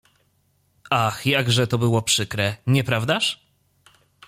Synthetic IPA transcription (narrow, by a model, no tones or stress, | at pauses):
ʔaxjaɡʐɛt̪ɔbɘwɔpʂɘkɾɛɲɛpɾavd̪aʂ